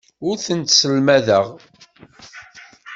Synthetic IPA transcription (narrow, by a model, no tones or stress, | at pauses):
ʊɾθənt̪səlmæðəʁ